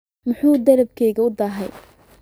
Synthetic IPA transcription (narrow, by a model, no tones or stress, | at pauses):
mʊħuːd̪ɐɾɐb̚kʰɛjɣɐʊd̪ɐːɦɛj